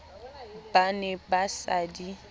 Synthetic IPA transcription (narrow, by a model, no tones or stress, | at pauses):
banɛbasadi